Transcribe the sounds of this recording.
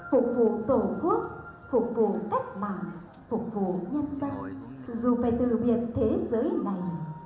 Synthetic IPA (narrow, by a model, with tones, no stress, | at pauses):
fʊ˨˩k͡p̚vṵ˧˨t̪o˧˩ku˦˥ət̚fʊ˨˩k͡p̚vṵ˧˨ka˦˥jk̟̚ma̰ː˧˨n | fʊ˨˩k͡p̚vṵ˧˨ɲə˧nzə˧nzu˨˩faː˧˩jt̪ɨ̰˧˨ɓi˨˩ən̚t̪ʰe˨˦zəː˨˦jna˨˩j